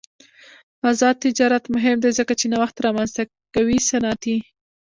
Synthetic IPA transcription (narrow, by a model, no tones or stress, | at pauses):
azɑd̪̚t̪ɪd͡ʒɑɾat̪mʊɦɪmd̪ezəkat͡ʃenawaxt̪ɾɑmanzt̪a | kawisanɑt̪i